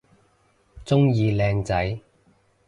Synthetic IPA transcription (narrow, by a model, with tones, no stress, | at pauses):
t͡sʊ˥ŋjiː˧lɛː˧ŋt͡sɐ˨˥j